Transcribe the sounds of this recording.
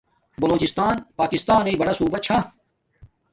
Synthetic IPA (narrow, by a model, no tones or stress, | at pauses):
bɐloːt͡ɕɪst̪aːnpaːkɪst̪aːnebɐɽasuːbɐt͡ɕʰa